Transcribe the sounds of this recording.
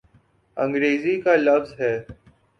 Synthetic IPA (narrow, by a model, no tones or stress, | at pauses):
ə̃ŋɡɾeːziːkaːləfzɦɛː